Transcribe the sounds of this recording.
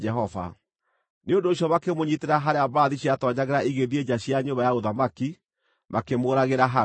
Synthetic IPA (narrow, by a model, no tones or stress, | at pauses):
ɛɦɔva̰ | neondoːɕjɔβakemoɲiteɾaɦaɾeabaːðiɕjatɔɲaɣɛɾaiɣeðied͡ʑaɕjaɲobajaoðamaki | makemoːɾaɣeɾaɦa